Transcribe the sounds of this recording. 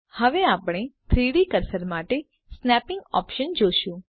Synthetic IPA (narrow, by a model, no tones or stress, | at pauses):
həʋeapɽ̃et̪ʰɾiɽikəɾsəɾmaʈe | snɛpɪ̃ŋɡɔ̰pʃənd͡ʒoʃũ